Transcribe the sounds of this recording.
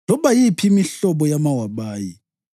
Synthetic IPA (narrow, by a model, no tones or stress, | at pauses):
lɔɓajipʰiːmiɬɔɓɔjamawaɓaːji